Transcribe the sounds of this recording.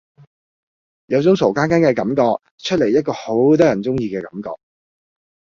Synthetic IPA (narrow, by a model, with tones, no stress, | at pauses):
jɐ˨˧wt͡sʊ˨˥ŋso˨˩wkaː˥nkaː˥nkɛː˧kɐ˨˥mkɔː˧k̚ | t͡ʃʰɵ˥t̚le˨˩jɐ˥t̚kɔː˧ho˨˥wt̪̬ɔː˥jɐ˨˩nt͡sʊ˥ŋjiː˧kɛː˧kɐ˨˥mkɔ̰ː˧k̚